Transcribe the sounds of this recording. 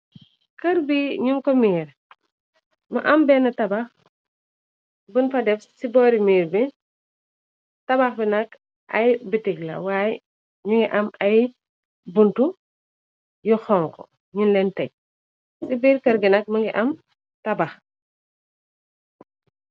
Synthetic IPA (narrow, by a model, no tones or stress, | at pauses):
kɐɾbiɲuŋkɔmiːɾ | mɐ̰ʔɐmbɛːnɐtɐbɐx | bunfɐdɛfsibɔːɾimiːɾbi | tɐbaxbinɐk | ʔɐjbitiɡlɐ̰waːjɛ | ɲuŋɡiʔɐmɐj | buntu | juxɔŋkɔ̰ | ɲunlɛntɐɟ̚ | sibiːɾkɐɾɡinɐk̚mɐŋɡiʔɐm | tɐbɐx